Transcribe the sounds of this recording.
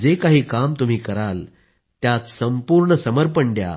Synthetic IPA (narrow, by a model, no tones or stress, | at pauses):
d͡zekaɦiːkamt̪um̤iːkəɾal | t̪jat̪səmpuɾɳəsəməɾpəɳɖja̰